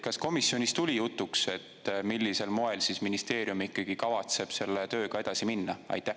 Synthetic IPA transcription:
kɑsko̞misːjo̞nist̪ulʲijut̪ːˑukse̞t̪ːmilʲːise̞lmo̞e̞lsisminist̪e̞ːɾjumikːˑɑɡ̥ikɑvɑt̪se̞b̥se̞lːet̪ø̞ːɡ̥ɑed̪̥ɑsiminːɑɑ̰jt̪ːæh

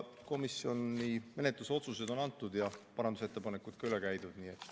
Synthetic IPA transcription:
ko̞misjo̞nːime̞ne̞t̪ˑluso̞t̪suse̞d̪o̞nɑnt̪ːˑud̪jɑpɑɾɑnd̪use̞t̪ːe̞pɑnekːˑut̪kɑylekæjd̪̥ud̪̥niːet̪ːˑ

